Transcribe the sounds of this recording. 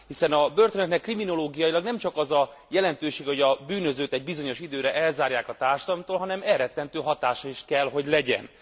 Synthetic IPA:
hisɛnɒbørt̪ønɛt̪nɛkːrimino̞loːɡijɒilɒɡnɛmt͡ʃɒkɒzɒ | jɛlɛnt̪øːʃeːɡho̞ɟɒbyːnø̞zøːt̪ɛɟ̚bizo̞ɲo̞ʃid̪øːɾɛʔɛlzaːɾjaːkɒt̪aːrʃɒd̪ɒlɔmt̪oːlɦɒnɛmɛrɛt̪ːɛnt̪øːɦɒt̪aːʃɒiʃkɛlɦo̞ɟlɛɟɛ̰n

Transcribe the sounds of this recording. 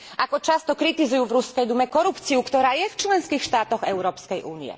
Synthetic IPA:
ʔakɔt͡ʃast̪ɔkɾit̪izujuːvɾuskɛjd̪umɛkɔɾupt͡siukt̪ɔɾaːjɛft͡ʃlɛnskixʃt̪aːt̪ɔɣɛʊɾɔːpskɛjʔuːniɛ̰

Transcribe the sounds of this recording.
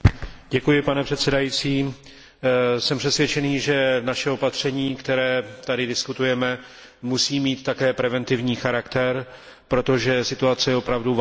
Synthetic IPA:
ɟɛkujɪpanɛpr̝̥ɛt̪sɛdajiːt͡siː | sɛmpr̥ɛsvʲjɛt͡ʃɛniːʒɛnaʃɛopat̪r̝̥ɛɲiːkt̪ɛɾɛːt̪adɪdɪskut̪ujɛmɛ | musiːmiːt̪ːakɛːpɾɛvɛnt̪ɪvɲiːxaɾakt̪ɛɾ | pɾo̞t̪o̞ʒɛsɪt̪uat͡sɛjɛo̞pɾavdu

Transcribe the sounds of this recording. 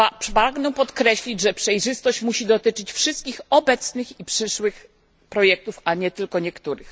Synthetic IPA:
apaɡnɛpɔt̪kɾɛɕlʲid͡ʑʐɛpʂɛjʐɘst̪ɔɕt͡ɕmuɕid̪ɔt̪ɘt͡ʂɘt͡ɕfʂɘst̪̚kʲixɔbɛt̪snɘxipʂɘʂwɘx | pɾɔjɛk̚t̪ufaɲɛt̪ɘlkɔɲɛkt̪uɾɘx

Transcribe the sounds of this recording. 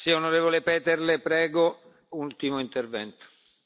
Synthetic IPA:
sionoɾeːvolepɛːt̪erlepɾɛːɡo | ult̪imoint̪ervɛ̰nt̪o̥

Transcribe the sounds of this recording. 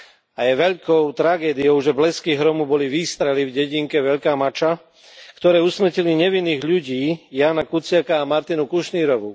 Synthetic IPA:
ajɛʋɛʎkɔʊt̪ɾaɡɛːd̪iɔʊʒɛblɛskiɣɦɾɔmubɔliʋiːst̪ɾɛlivɟɛɟiŋkɛʋɛʎkaːmat͡ʃa | kt̪ɔɾɛːusmr̩ciliɲɛʋinːiːɣʎuɟiːjaːnakut͡sɪakaːmaɾt̪inukuʃniːɾɔʋu

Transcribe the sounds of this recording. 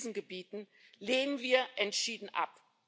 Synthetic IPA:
zn̩ɡəbiːtn̩ | leːnənviːɐʔɛntʃiːdn̩ʔa̰p

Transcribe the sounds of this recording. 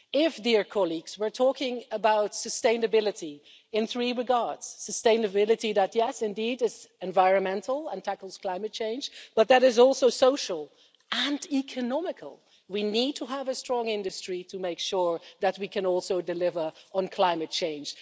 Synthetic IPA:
ɪfdɪɹkʰɑlˠiɡz̥wə˞tʰɔkɪ̃ŋəbaʊtsɨstẽɪ̃nɨbɪlˠɨɾi | ɨ̃nθɹiɹɨɡɑɹd̥z̥səstẽɪ̃nɨbɪlˠɨɾiðɨt̚jɛsɨ̃ndidɪz̥ɨ̃ɱvaɪɹɨ̃nmɛ̃ntʰl̩ˠə̃ntʰækl̩ˠz̥kʰl̥ãɪ̃mɨt̚t͡ʃʰẽɪ̃nd͡ʒ̥b̥ʌt̪̚ðɨɾɨzɔlˠsoʊsoʊʃəl̩ˠ | ʔɨ̃nikʰɨnɑmɨkʰə̰l̩ˠ | winid̚tʰəəvɨstɹ̥ɔ̃ŋɪ̃ndɨstɹ̥iɾʰɨmeɪkʃʊɹðɨt̚wikʰɨ̃nɔlˠsoʊdɨlɪvə˞ə̃nkʰl̥ãɪ̃mɨt̚t͡ʃʰẽɪ̃nd͡ʒ̥

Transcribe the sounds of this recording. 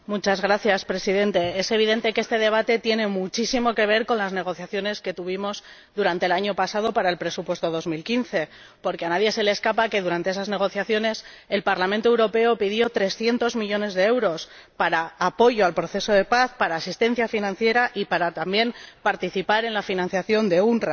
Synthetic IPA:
mut͡ʃazɣɾaθjaspɾe̞siðe̞nt̪e̞ese̞β̞iðe̞nt̪ekeest̪e̞ð̞e̞β̞at̪e̞t̪jenẽ̞mut͡ʃisimo̞ke̞β̞e̞ɾko̞nlazne̞ɣ̞o̞θjaθjo̞ne̞ske̞t̪uβ̞imo̞z | ðuɾant̪elaɲo̞pasaðo̞paɾae̞lpɾe̞supwe̞st̪o̞ðo̞zmilkinθe̞ | poɾkeanaðje̞se̞leːskapake̞ðuɾant̪e̞esazne̞ɣ̞o̞θjaθjo̞ne̞s | e̞lpaɾlament̪oewɾope̞o̞piðjo̞t̪ɾe̞sθje̞nt̪o̞zmiʎo̞ne̞zðe̞ewɾo̞s | paɾaːpo̞ʝoalpɾo̞θe̞so̞ð̞e̞paθpaɾaːsist̪ẽ̞n̟θjafinãn̟θje̞ɾaʔipaɾat̪ambje̞mpaɾt̪iθipaɾe̞nlafinãn̟θjaθjo̞nd̪e̞unr

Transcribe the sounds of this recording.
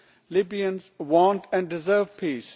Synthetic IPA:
lɪbiə̃nzwɔ̃nʈʰɛ̃nɖɪzəːvpʰiːs

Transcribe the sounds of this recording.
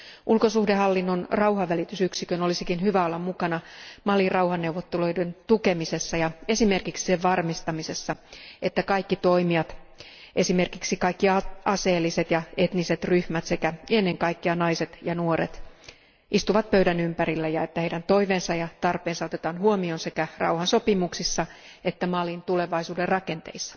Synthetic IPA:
ʔulkosuhdeɦɑlːinːonrɑuhɑːælit̪ysyksikøno̞lisikinhyʋæolːɑmmukɑnɑmɑlirɑwhɑnːewʋot̪ːeloident̪uke̞mise̞sːɑjɑe̞sime̞rkiksi̥seʋʋɑrmist̪ɑmise̞sːɑe̞t̪ːækɑikːit̪o̞imiɑt̪ | ʔe̞sime̞rkiksikɑikːiɑɑseːlːiset̪jɑe̞t̪niset̪ryhmæt̪se̞kæenːeŋkɑikːiɑnɑiset̪jɑnuoɾḛt̪ | ʔist̪uʋɑt̪̚pøydænympæɾilːæjɑet̪ːæheidænt̪o̞iʋeːnsɑjɑt̪ɑrpeːnsɑo̞t̪et̪ɑːnhuomionse̞kærɑ̰uhɑnsopimuksisːɑ | et̪ːæmɑlint̪ule̞ʋɑisuːderrɑke̞nt̪ḛisːɑ̥

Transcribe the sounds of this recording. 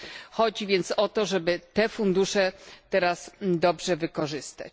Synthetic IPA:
xɔd͡ʑivʲjɛnt̪sɔt̪ɔʐɛbɘt̪ɛfund̪uʂɛt̪ɛɾasd̪ɔbʐɛvɘkɔʐɘst̪a̰t͡ɕ

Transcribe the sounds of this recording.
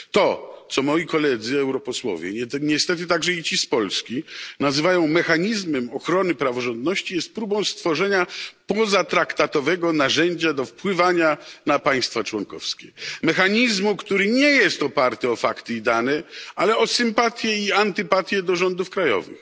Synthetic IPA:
t̪ɔt̪sɔmɔjikɔlɛd̪zɘɛwɾɔpɔswɔ̰vʲjɛ̰ɲɛɲɛst̪ɛt̪ɘt̪aɡʐɛit͡ɕispɔlskʲinazɘvajɔ̃w̃mɛxaɲizmɛmɔxɾɔnɘpɾavɔʐɔnd̪̚nɔɕt͡ɕijɛst̪̚pɾubɔ̃w̃st̪fɔʐɛɲapɔzat̪ɾakt̪at̪ɔvɛɡɔnaʐɛɲd͡ʑad̪ɔfpwɘvaɲanapaj̃st̪fat͡ʂwɔŋkɔ̰fskʲɛmɛxaɲizmukt̪uɾɘɲɛjɛst̪ɔpaɾt̪ɘɔfakt̪ɘid̪anɛalɛɔsɘmpat̪ʲjɛiant̪ɘpat̪ʲjɛd̪ɔʐɔnd̪ufkɾajɔ̰vɨ̰x

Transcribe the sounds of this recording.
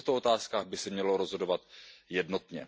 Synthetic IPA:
xt̪oo̞t̪aːskaːɣbɪsɛmɲɛlo̞ɾozɦo̞dovat̪jɛdno̞t̪ɲɛ̰

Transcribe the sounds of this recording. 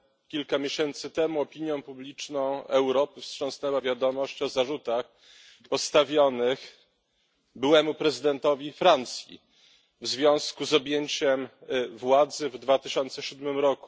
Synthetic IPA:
kʲilkamʲjeɕɛnt̪sɘt̪ɛmuɔpʲiɲjɔ̃w̃publʲit͡ʂnɔ̃w̃ɛwɾɔpɘfstʂɔ̃snɛwavʲjad̪ɔmɔɕt͡ɕɔzaʐut̪ax | pɔst̪avʲjɔnɘx | bɘwɛmupɾɛzɘd̪ɛnt̪ɔvʲifɾant̪sʲjḭ | vzvʲjɔ̃w̃skuzɔbʲjeɲt͡ɕɛmvwad̪zɘvd̪vat̪ɘɕɔnt̪sɛɕud̪mɘmɾɔku̥

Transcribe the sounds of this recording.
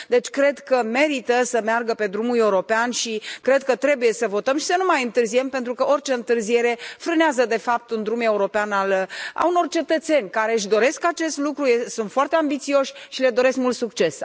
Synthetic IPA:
d̪e̞t͡ʃʲkɾe̞d̪kəme̞ɾit̪əsəmearɡəpe̞d̪ɾumule̞uɾo̞peanʃikɾe̞d̪kət̪ɾe̞buje̞səvo̞t̪əmʃi̥sənumajɨnt̪ɨrzie̞mpe̞nt̪ɾukəo̞rʲt͡ʃe̞ɨnt̪ɨrzije̞ɾe̞fɾɨneazəd̪e̞fap̚t̪und̪ɾume̞uɾo̞peanala̰uno̞rt͡ʃe̞t̪ət̪se̞nʲkaɾe̞ɨʃ̬d̪o̞ɾe̞skat͡ʃe̞st̪lukɾujesunt̪foart̪e̞ambit̪sio̞ʃʲʃile̞d̪o̞ɾe̞skmult̪sukt͡ʃe̞s

